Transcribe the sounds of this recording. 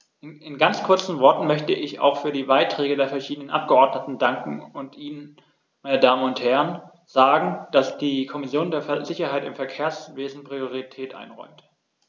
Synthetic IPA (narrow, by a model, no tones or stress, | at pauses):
ʔʔɪnɡant͡skʰʊɐt͡sn̩vɔɐtn̩mœçtəʔɪça̰ʊxfyːɐdiːbaɪtʁ̥ɛːɡədeːɐfɛɐʃiːdənənʔa̰p̚ɡ̥əɔɐdnətn̩daŋkŋ̩ʊntʔiːnən | maɪnədaːməʊnthɛʁən | z̥aːɡŋ̩d̥asd̥iːkʰɔmɪsjoːndeːɐfzɪçɐɦaɪtɪmfɛɐkʰeːɐsveːzn̩pʁ̥ioʁitʰɛːtʔa̰ɪnʁɔ̰ʏmt